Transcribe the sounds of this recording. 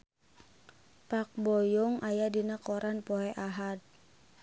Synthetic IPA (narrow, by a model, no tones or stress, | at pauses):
pak̚bɔjɔŋʔajadinakɔɾʔanpɔɦɛʔaɦad̪̚